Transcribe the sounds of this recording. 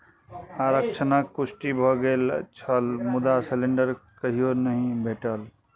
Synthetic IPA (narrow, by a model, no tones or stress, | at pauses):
aɾəkt͡ʃʰənakːʊsʈibʱɔɡelt͡ʃʰəlmʊd̪aseleɳɖəɾkəɦijonəɦĩbʱeːʈəl